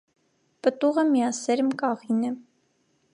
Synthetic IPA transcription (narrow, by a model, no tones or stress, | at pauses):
pət̪uʁəmijɑsɛɾmkʼɑʁinɛ